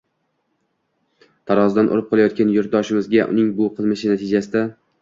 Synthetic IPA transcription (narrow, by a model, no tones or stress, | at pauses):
t̪ʰaɾɒzd̪anʔo̰ɾɪp̚qʰɒlˠajɒt̪̚kʲanjʊɾt̪̚d̪ɒʃɪmɪzɡʲaʔʊ̰nɪŋbʊqʰɨlˠmɪʃɪnat̪ʰɪd͡ʒasɪd̪a